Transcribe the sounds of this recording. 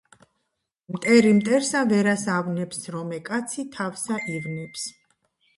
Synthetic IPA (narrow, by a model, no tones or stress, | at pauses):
mt̪ʼɛɾimt̪ʼɛɾsavɛɾasavnɛpsɾɔmɛkʼat̪sʰit̪ʰafsaʔivnips